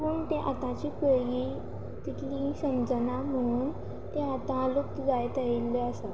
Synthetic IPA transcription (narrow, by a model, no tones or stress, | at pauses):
məɳt̪ẽʔa̰t̪ãt͡ɕiːpəji | t̪it̪ʰlĩsəmd͡zənam̤əɽuːn | t̪eat̪ãluk̚t̪əd͡zajt̪ailːeəsa